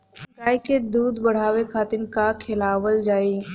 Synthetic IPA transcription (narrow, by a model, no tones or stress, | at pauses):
kaːiked̪uːd̪bɐɽ̤aːʋekʰaːt̪ɪnkakʰɪlaːʋəld͡ʒaːiː